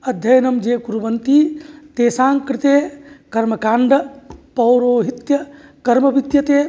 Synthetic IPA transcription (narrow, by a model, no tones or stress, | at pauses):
ɐd̪ʱjɐjnɐmd͡ʒekuɾubɐnt̪it̪eːsãːŋkɾɪt̪ekɐɾmɐkaːɳɖɐpɐwɾoːɦit̪jɐkɐɾmɐbit̪jɐt̪eː